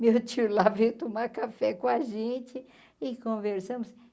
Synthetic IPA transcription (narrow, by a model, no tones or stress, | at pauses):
mewt͡ʃiʊlavejt̪omakafɛkõɐʒẽt͡ʃɪ | ɪkõveɾsɐ̃mʊs